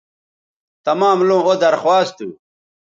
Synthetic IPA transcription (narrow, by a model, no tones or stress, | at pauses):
t̪ɐmaːmlũod̪ɐɾxwaːst̪ṵ